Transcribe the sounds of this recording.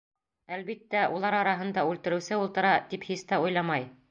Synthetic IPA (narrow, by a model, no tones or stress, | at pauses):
ælβit̪ːæʔulˠɑɾɑɾɑɦɤ̆nd̪ɑʉlt̪ɘ̆ɾɘ̆wsɘulˠt̪ɤ̆ɾɑt̪iphist̪ɑujlˠɑmɑj